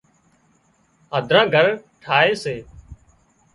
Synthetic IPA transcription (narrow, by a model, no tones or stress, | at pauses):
əd̪ʱɾãːɡʱəɾʈʰaːeːseː